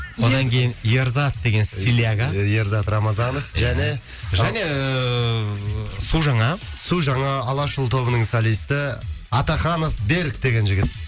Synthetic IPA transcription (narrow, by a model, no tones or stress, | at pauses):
wod̪ɑŋkʲʰejɪnjeɾzɑt̪̚d̪e̞ɡʲe̞nilʲjaɡaje̞ɾzɑt̪rɑmɑzɑnəfʒæne̞ | ʒæne̞ | suʒɑɴɑ | suʒɑɴɑːlˠɑʃəlˠt̪ʰo̞βənəɴsalʲijst̪ɪɑt̪ɑχɑno̞fbe̞ɾkd̪e̞ɡʲe̞nʒɪɡʲɪt̪̚